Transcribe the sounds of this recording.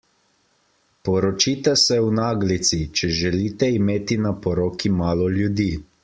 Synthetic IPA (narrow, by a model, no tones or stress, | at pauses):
pɔɾɔt͡ʃiːt̪ɛsɛwnaːɡlit̪sit͡ʃɛʒɛliːt̪ɛimeːt̪inapɔɾoːkimaːlɔljud̪iː